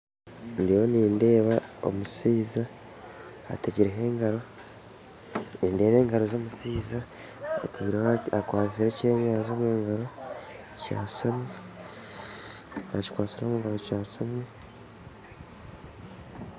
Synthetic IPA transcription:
ndijoniːnde̞ːβao̰musiːza̰ː | teɟiɾeɦe̞ːŋɡaɾo̞ | inde̞ːβe̞ːŋɡaɾo̞zo̞ːmusiːzaːteɾakwaːsiɾeceːmaːzo̞ːmuːŋɡaɾo̞ | ca̰ːsami | a̰ci̥kwaːsiɾo̞ːmuŋɡaɾocaːsami

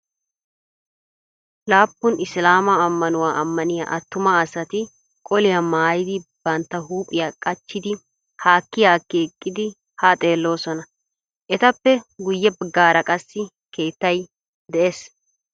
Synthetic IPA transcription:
laːpːʊnɪslaːmɐːmːɐnʊwaːʔɐmːɐnɪja̰ːʔɐt̪ːʊmɐːsɐt̪ɪ | kʼɔlɪjamaːjɪd̪ɪb̥ɐnt̪ːɐɦuːpʼːɪjaːkʼɐt͡ʃːɪd̪ɪ | haːkːɪjaːkːeːkʼːɪd̪ɪ | haːt̪ʼe̞ːlːo̞ːsɔnɐ | ʔɛt̪ɐpːɛɡʊjːɛbɪɡaːɾɐkʼɐsːɪ | kʰe̞ːt̪ːɐj | d̪ɛʔeːs

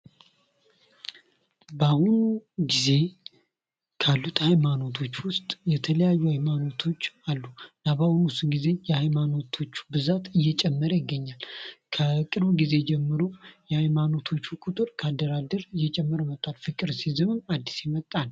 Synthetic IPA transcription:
bahunuɡize̞ | kʰalːut̪ʰʼhajmano̞t̪ʰo̞t͡ʃːwʊst̪ʼjɛt̪ʰələjajːuhajmano̞t̪ʰo̞t͡ʃːalːunabahunusuɡize̞jɛhajmano̞t̪ʰo̞t͡ʃːu̥bɨzat̪ɨjːɛt͡ʃʼɛmːəɾəjɪɡːəɲːalkʰəkʼɨɾbɡize̞d͡ʒɛmːɨɾo̞jɛhajmano̞t̪ʰo̞t͡ʃːukʼut̪ʼɨɾkʰad̪əɾad̪əɾɨjːɛt͡ʃʼɛmːɨɾmət̪ʼːalfɨkʼɨɾsizɨmɨmad̪ːisjɛmət̪ʼːan

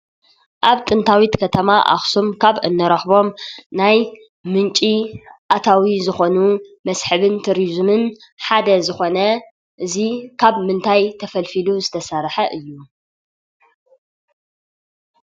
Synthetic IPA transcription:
ʔaβt̪ʼɨnt̪ʰawit̪kʰɐt̪ʰɐmaʔa̰xsumkʰaβʔɨ̰nːɐɾɐxbo̞mnaj | mɨnt͡ʃʼiʔat̪ʰawizɨxo̞numɐsħɨβɨnt̪ʰuɾizmɨn | ħad̪ɐzɨxo̞nɐ | ʔɨzikʰaβmɨnt̪ʰajt̪ʰɐfɐlfiluzɨt̪ʰɐsɐɾħɐʔɨjːu

